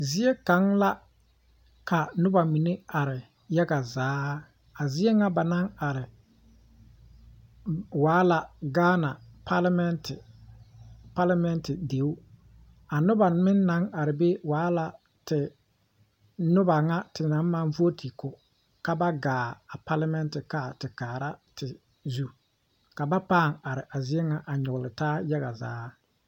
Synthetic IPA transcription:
zɪ˦e˦ka˨˦ŋla˦ | ka˨nʊ˦ba˨mi˨ne˦a˨ɾɪ˨ | ja˦ɡa˨zaː˨˦ | a˨zɪ˦e˦ŋa˦ba˨na˦ŋa˨ɾɪ˨ | waː˨˦la˨ɡaː˦na˨pa˦lmɛ˦ntɪ˨ | pa˦la˦mɛ˦ntɪ˨de˨˦wʊ˦ | a˨nʊ˦ba˨mɪ˦nːa˨˦ŋa˨ɾɪ˨be˦waː˨˦la˨ | tɪ˨ | nʊ˦ba˨ŋa˦tɪ˨na˨˦m˦ma˨˦nvu˦o˦tʰi˨kʊ˨ | ka˦ba˦ɡaː˨a˨pa˦la˦mɛ˦ntɪ˨ka˦˨tɪ˨kaː˨ɾa˦tʰɪ˨ | zu˦ | ka˨ba˦paː˦˨ŋa˨ɾɪ˨ʔa˨zɪ˦ɛ˦ŋa˨ʔa˨ɲʊ˨ɣʊ˨lɪ˨taː˦ja˦ɣa˨za̰ː˨˦

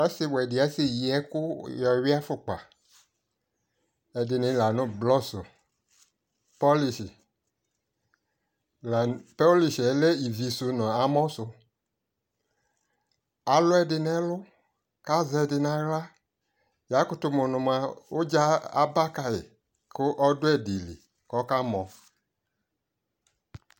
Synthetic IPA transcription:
ɛ˦sɪ˦wɛ˨dɪ˨ɛ˨˦sɪ˦ji˨ɛ˦kʊ˦jɔ˨˦wi˦a˦fʊ˨k͡pa̰˨ | ɛ˨dɪ˨nɪ̃˦la˨nʊ̃˦blɔ˦sʊ̰˨ | pɔ˦li˨ʃi˨ | la˨pɔ˦li˨ʃi˨ɛ˨le˦i˨vi˨su˨nɔ̃˨a˨mɔ̃˦sʊ˨ | a˨lʊ˦ɛ˦dɪ˨nɛ˦lʊ˦ | ka˦zɛ˧dɪ˧nã˨ɣla˦ | ja˨˦kʊ˦tʊ˧mʊ˨nʊ̃˨m˨a˨o˦d͡ʒa˦a̰˦ba˦ka˨jɪ̰˨ | kʊ˦ʔɔ˦dʊ˦ɛ˦˨dɪ˨lḭ˨ | kɔ˦ka˦mɔ̃˨

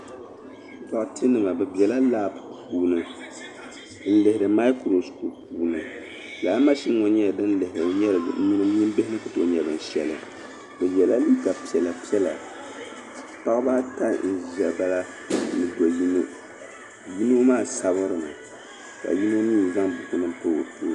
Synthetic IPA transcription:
ta˨ʔtɨ˦nɨ˨ma˨bɛ˨bɛ˨la˦laː˦˨bpuː˦nɨ˨˦ | n̩˦lɨ˨hɪ˨ɾɨ˨ma˦ɪ˦kɾo˨sku˨puː˨˦nɨ˨ | laː˨˦ma˦ʃi˦ŋɔ˨ɲɛ˦˨dɨ˦nlɨ˨hɪ˨ɾɨ˨˦ɲɛ˦ɾɲi˦nɨ˦m˦ɲi˦mbɪ˦hɪ˦nɨ˦kɨ˨to˨˦ɲɛ˨bɨ˨n˨ʃɛ˨lɨ̰˨ | bɨ˨bɛ˨la˦li˦ka˨pi˨ɛ˨la˨pi˦ɛ˦la̰˨ | pa˦kba˦ta˦n̩˨zɛ˨ba˦la˦ | nɨ˨do˨ji˦nɨ̰˦ | ji˦no˦maː˦˨sa˦bɨ˦ɾɨ˨ma̰˨ | ka̰˨ji˦no˦niː˦˨za˦ŋbu˨ku˦nɨ˦po˦o̰˨po˦

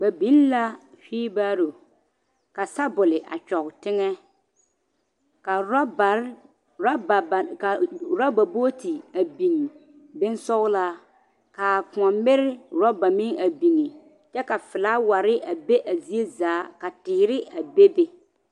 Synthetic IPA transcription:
ɡ͡ba˨bi˦nla˦ | hiː˦baː˦ɾo˨ | ka˨sa˦bʊ˨lɪ˨ʔa̰˨t͡ʃɔ˨ɣtɪ˦ŋɛ˦ | ka˨˦˨ | ka˨ɾa˦ba˨bo˦ti˨a˨bi˨ŋ˨ | be˦nsɔ˦ɣla˦ | ka˨pʊ̃˨ɔ˨mbɪ˦ɾɪ˦ɾɔ˦ba˨mɪ˦ŋa˨bi˨ŋi˨ | t͡ʃɛ˦ka˨fɪ˨la˦wa˨ɾɪ˦ʔa˨be˦ʔa˨zi˦e˦zaː˨˦ka˨tɪː˨ɾɪ˦a˨be˦be˦

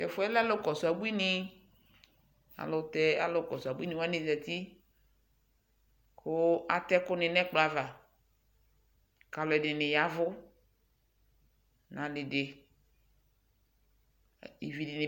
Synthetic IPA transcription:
tɛ˨fʊ˨˦ɛ˦la˦lo˦kɔ˨sʊ˨a˨bu˦i˦nɪ˦ | a̰˨lʊ˨t̪ɛ˦a̰˦lo˨˦kɔ˨sʊ˨a˨bu˦i˦nĩ˨wa˦nɪ̃˨zɛ˨t̪i˦ | kʰʊ˦a˨t̪ɛ˦kʊ˦nɪ˨nɛ̃˦k͡pla˨va˨ | ka˨lɔ˨ɛ˨dɪ˨nɪ̃˨ja˦vʊ˦ | nã˨lɪ˨dɪ˨ | i˨vi˨dɪ˨nɪ̃˨

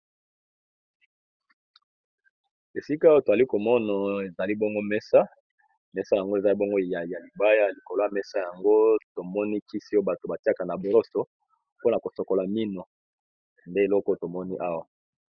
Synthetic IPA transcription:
e˨si˦ka˦wa˦to˨za˨li˦ko˨mɔ˦na˨e˨za˨li˦bɔ˦ŋɡo˦mɛ˦sa˦ | mɛ˦sa˦ja˨ŋɡo˦e˨za˨˦i˦bɔ˦ŋɡo˦˨ja˨ja˨li˨ba˦ja˦li˨ko˨lo˦a˦mɛ˦sa˦ja˨ŋɡo˦to˨mɔ˦ni˦ki˦si˦o˦ba˨to˨ba˨ti˦a˨ka˨na˨bo˨lo˦so˨ | po˦na˨ko˨so˨ko˨la˨mi˦no˨ | nde˦e˨lɔ˦ko˦to˨mɔ˦ni˦ʔa˦wa˨

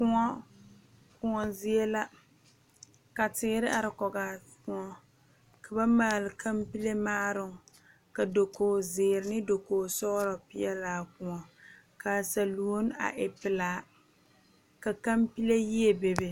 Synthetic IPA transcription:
kʊ˦ŋɔ˦ | kʊ˨ŋɔ˨zi˦e˦la˦ | ka˨tɪ˨˦ɾɪ˦ʔa˨ɾɪ˨kɔ˨ɡa˨ | kʊ˦ŋɔ˦ | ka˨ba˦maː˦˨lɪ˨kʰa˦mpi˦le˦maː˦ɾʊ˨ŋ˨ | ka˨do˨koː˨zɪ˨ɾɪ˨nɪ˦do˨koː˨sɔ˦ɾɔ˨pɪ˦ɛ˦laː˨˦kʊ˨ŋɔ˨ | ka˨sa˨lu˨o˦n˦a̰˨ʔɪ˨pɪ˨laː˨˦ | ka˨ka˦mpi˦le˦ji˦e˦be˨be˨

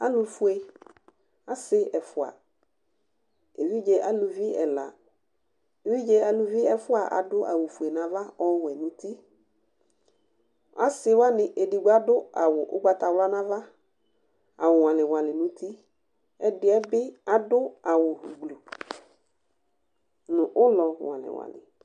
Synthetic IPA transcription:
a˦lʊ˨fʊ˦e˨ | a˨˦sɪ˦ɛ˨fʊ˨a̰˨ | e˨vi˦d͡ʒe˨ʔa˨lʊ˨vi˦ɛ˨la̰˨ | e˨vi˦d͡ʒe˦a˨lʊ˨vi˦ɛ˨fʊ˦a˨ʔa̰˨dʊ˦ʔa̰˨wʊ˨fu˨e˨nã˨va˦ɔ˦wɛ˨nʊ̃˦t̪i˦ | a˦sɪ˦wa˦nɪ̃˨ʔe˨di˨ɡ͡ba˦dʊ˦a˨wʊ˨ʔʊ̰˦ɡ͡ba˦t̪a˨wla˦nã˦va˦ | a˨wʊ˨w̃ã˨lɪ˨wa˨lɪ˨nʊ̃˦t̪i˦ | ɛ˦dɪ˦ɛ˦bɪ˦a˨dʊ˦a˨wʊ˨ɦu˨ɡ͡blo˨ | nʊ̃˨ʔʊ˦lɔ˨wã̰˨lɪ̰˨wa̰˨lɪ̰˨

